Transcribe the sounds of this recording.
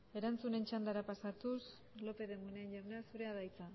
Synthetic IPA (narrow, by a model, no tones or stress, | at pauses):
e̞ɾant͡sune̞nt͡ʃand̪aɾapasat̪us | lo̞pe̞ðemuneenʎaɾneasuɾe̞aðajt͡sa